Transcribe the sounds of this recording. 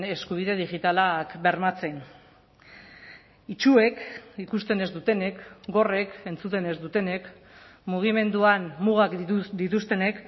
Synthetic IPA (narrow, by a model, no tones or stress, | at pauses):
e̞skuβ̞iðe̞ð̞iɣit̪alakbe̞ɾmat͡se̞n | it͡ʃue̞kikust̪e̞ne̞zd̪ut̪e̞ne̞kɡo̞re̞ke̞nt͡sut̪e̞ne̞zd̪ut̪e̞ne̞k | muɣ̞ime̞nd̪uanmuɣ̞akd̪it̪ust̪e̞ne̞k